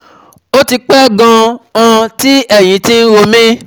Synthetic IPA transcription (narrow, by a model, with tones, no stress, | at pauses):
o˦ti˧k͡pɛ˦ɡã˧ã˧ti˦ɛ˦˨j̃ĩ˨˧˦tĩ˦n̩˦ɾo˧mĩ˦